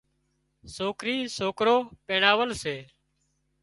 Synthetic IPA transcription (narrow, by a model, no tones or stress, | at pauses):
soːkɾiːsoːkɾoːpeːɳaːʋəlseː